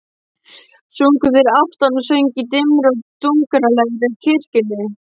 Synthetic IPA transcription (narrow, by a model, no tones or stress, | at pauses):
suŋkʏðɪɾaft̪ansœɥɲcɪt̪ɪmɾɔwt̪uŋkʏɾalɛɣɾɪcʰɪr̥cɪnːɪ